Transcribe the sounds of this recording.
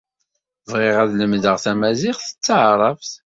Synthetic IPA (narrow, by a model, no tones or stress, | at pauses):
vʁɪʁæðləmðəʁθæmæzɪχθə̥t͡sːəʕɾˤɑfθ